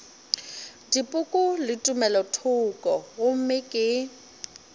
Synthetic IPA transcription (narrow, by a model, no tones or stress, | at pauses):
dipʼʊkʼʊlɪtʼʊmɛlɔtʰʊkʼɔɣʊm̩mɪkʼɪ